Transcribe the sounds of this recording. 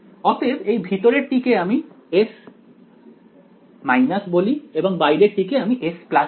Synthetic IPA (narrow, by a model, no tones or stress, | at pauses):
ɔt̪ʰebejbʱit̪oɾeɾʈːikeami | es | majnasbolieboŋbajɾeɾʈikeamiʔespla